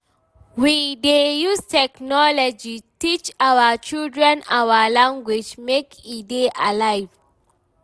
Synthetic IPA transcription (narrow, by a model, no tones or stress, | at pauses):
widejustɛknɔlɔd͡ʒitit͡ʃawət͡ʃildɹɛ̃nawəlãŋɡwed͡ʒmekʰideʔalaɪv̥